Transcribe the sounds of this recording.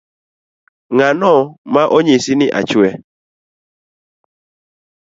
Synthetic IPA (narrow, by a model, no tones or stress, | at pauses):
ŋanɔmãʔoɲesiniʔa̰t͡ʃuɛ